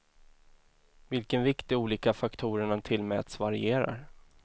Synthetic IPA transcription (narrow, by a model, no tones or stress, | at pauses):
vɪlkənvɪkt̪ɪuːliːkafakt̪ʰuːɾəɳat̪ʰɪlmɛ̰ːt̪svaɾɪ̰eːɾa̰ɾ